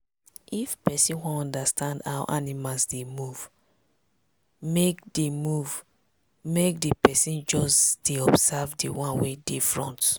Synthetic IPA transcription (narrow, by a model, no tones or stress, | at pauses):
ʔifpɛsĩnwɔ̃ɔ̃ndastʰãndaʊʔanimalsdemuv | mek̚demuv | mek̚depɛsĩnd͡ʒɔsdeɔbsɛvdḭwɔ̃nwedifɹɔ̰̃nt